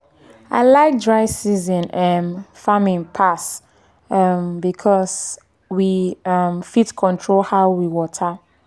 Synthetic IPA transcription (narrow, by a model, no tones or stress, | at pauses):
a̰ɪlaɪk̚dɹaɪsizɔ̃nɛnfamĩnpʰas | ʌmbikʰɔs | wiʌmfitkʰɔ̃ntʰɹolhaʊwiwɔtʰə